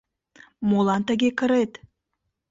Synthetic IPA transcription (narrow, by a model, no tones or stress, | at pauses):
molˠant̪aɡʲekəɾet̪